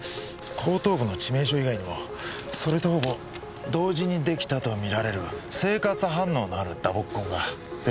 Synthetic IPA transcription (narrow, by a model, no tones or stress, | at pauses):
kʰo̞ːt̪o̞ːbɯ̟no̞t͡ɕime̞ːɕ̬o̞iɡaiɲ̟imo̞ | so̞ɾe̞t̪o̞ho̞bo̞ | d̪o̞ːʑiɲ̟id̪e̞kʲi̥t̪at̪o̞mʲiɾaɾe̞ɾɯ̟se̞ːkat͡sɨɦãnːo̞ːnoaɾɯ̟d̪abo̞kːõ̞ŋɡa